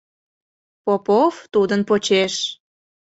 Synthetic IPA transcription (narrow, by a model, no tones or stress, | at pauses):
popoft̪ud̪ənpot͡ɕeʃ